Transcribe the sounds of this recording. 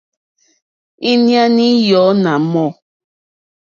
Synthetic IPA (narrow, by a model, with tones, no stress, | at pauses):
i˦nja˦ni˦jɔ˨˦na˨mɔ˦˨